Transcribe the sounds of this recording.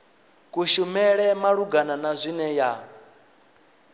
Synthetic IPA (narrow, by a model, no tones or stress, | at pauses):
kʼuʃumɛɺɛmaɺuɡananazʷinɛja